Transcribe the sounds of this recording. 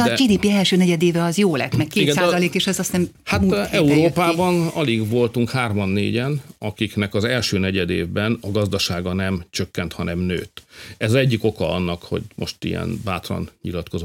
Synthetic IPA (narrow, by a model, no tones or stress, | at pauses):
d͡ʒiːd̪iːpiɛlʃøːnɛɟɛd̪eːvɛɒzjoːlɛ̰t̪mɛkkeːiɡɛnsaːzɒleːkeːʃɛzɒst̪nɛm | hat̪ɛuɾoːpaːbɒnɒliɡʋo̞lt̪uŋkhaːrmɒnːḛːɟɛnɒkiknɛkɒzɛlʃøːnɛɟɛd̪ḛːvbɛnɒɡɒzd̪ɒʃaːɡɒnɛmt͡ʃø̞kːɛnt̪hɒnɛmnø̰ːt̪ɛzzɛɟːiko̞kɒɒ̰nːɒkho̞̰ɟmo̰ʃt̪ḭjɛ̰nba̰ːt̪rɒ̰nɲḭlɒt̪ko̞zo